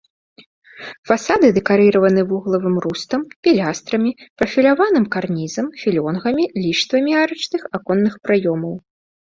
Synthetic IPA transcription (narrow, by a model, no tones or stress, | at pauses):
fasad̪ɨd̪ɛkaɾɨɾɐvɐnɨvuɣlˠɐvɨmrust̪ɐmpʲilʲast̪ɾɐmʲipɾɐfʲilʲavanɨmkarnʲizɐmfʲilʲɔnɣɐmʲilʲiʂt̪vɐmʲiaɾɨt͡ʂnɨxakɔnːɨxpɾajɔmɐw